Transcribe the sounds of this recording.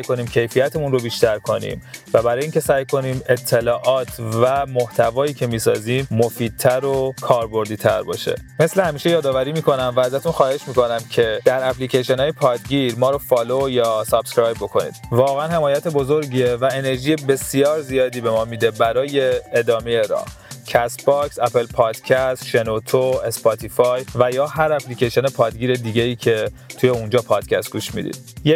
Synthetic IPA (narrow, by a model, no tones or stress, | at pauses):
sæjko̞niːmcʰe̞jfijæt̪ʰemunro̞biːʃt̪æɾkʰo̞nḭːmvæbæɾɒːjeiːncʰe̞sæːjkʰo̞niːme̞t̪ʰːe̞lɒːʔɒːt̪ʰvæmo̞ht̪ʰævɒːjiːcʰe̞miːsɒ̰ːziːmːofiːd̪̚t̪ʰæɾokʰɒːɾbo̞ɾd̪iːt̪ʰæ̰ɾbɒ̰ːʃḛme̞slehæmiːʃe̞jɒːd̪ɒːvæɾiːmiːkʰo̞næmvææzæt̪unxɒːhe̞ʃmiːko̞næmcʰe̞d̪̥æɾæplicʰeʃenɒːjepʰɒːd̪ɟiɾmɒːɾofɒːlojɒːsɒb̥skɾɒːjbo̞kʰo̞nḭːd̪̥vɒːɣeænhe̞mɒːjæt̪ʰe̞bo̞zo̞ɾɟiːevæene̞ɾʒiːje̞be̞sijɒːɾzijɒːd̪iːbe̞mɒːmid̪e̞bæɾɒːje̞ːd̪ɒːmejeɾɒ̰ː | cʰæst̪bɒksæpʰe̞lpʰɒːd̪̥cʰæst̪ʃe̞not̪ʰoe̞spʰɒt̪ʰifɒjvæjɒːɦæɾæpʰlicʰeʃonepʰɒːd̪ɡiːɾe̞d̪iːɟeiːcʰe̞t̪ʰujeund͡ʒɒːpʰɒːd̪̥cʰæst̪̚ɡuːʃmḭd̪ḭːd̪̥je